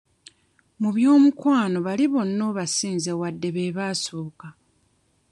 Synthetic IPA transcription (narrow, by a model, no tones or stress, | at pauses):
muβjo̞ːmukwaːno̞βaliβo̞nːo̞ːβasiːnzewadːe̞βe̞ːβaːsoːka